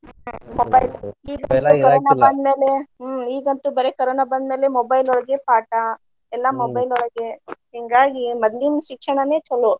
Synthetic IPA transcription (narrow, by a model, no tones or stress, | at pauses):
mobɐjliːɡɐt̪ukɐɾɾoːnabɐnd̪meːleiːɡɐnt̪ubɐɾekɐɾoːnabɐnd̪meːlemobɐjlɔɭɐɡepaːʈa | ɛlːɐmobɐjlɔɭɐɡehiŋɡaːɡimɐd̪linʃikʰːjɐɳɐneːt͡ʃɐlu